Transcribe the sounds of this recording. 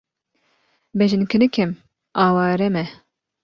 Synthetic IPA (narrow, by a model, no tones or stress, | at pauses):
bɛʒɪnkʰɨnɨkʰɛm | aːwɑːɾɛmɛ